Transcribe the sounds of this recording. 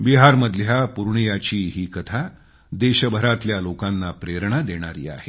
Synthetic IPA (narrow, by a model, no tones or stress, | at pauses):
biɦaɾməd̪ʱjapuɾɳjat͡ɕiːɦiːkət̪ʰa | d̪eɕəbʱəɾat̪ljalokanːapɾeɾɳ̃ad̪eɽ̃aɾḭːa̰ɦe